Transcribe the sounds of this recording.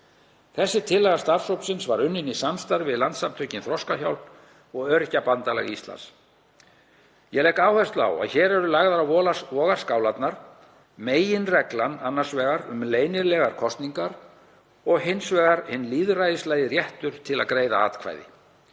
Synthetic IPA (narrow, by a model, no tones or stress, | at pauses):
θɛsːɪt̪ʰɪlːɛɣḁst̪ar̥sowpsɪnsvaɾʏnːɪnisamst̪aɾvɪðlant̪samt̪ʰœːcɪnθɾɔskaçawln | ɔɣœɾcapant̪alɛ̰ɣist̪la̰ns | jɛlɛjkaːwhɛst̪la̰wa̰ðçɛːɾɛɾʏlaɣðaɾaɔlvɔːɣaɾ̥skawlat̪naɾ̥ | meːjɪnrɛklananːaɾ̥svɛːɣaɾʏmleːjnɪɾlɛɣaɾ̥kʰɔst̪niŋkaɾ | ɔɣhɪnsvɛːɣaɾhɪnːliːðrajðɪslajðɪrjɛht̪ʏɾ̥t̪ʰɪla̰ðkɾeːjða̰a̰ːt̪kʰva̰jðɪ̰